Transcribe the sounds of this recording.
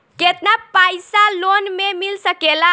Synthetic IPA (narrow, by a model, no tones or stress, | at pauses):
ket̪napajsalonmemilsəkela